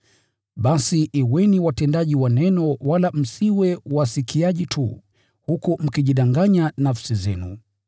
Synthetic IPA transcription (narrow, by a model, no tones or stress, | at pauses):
ɓasiʔːwɛniwatɛndaʄiwanɛnɔwalam̩siwɛwasikʰiaʄitʰṵ | hukum̩kiʄiɗaŋɡaɲanafsizɛ̰nṵ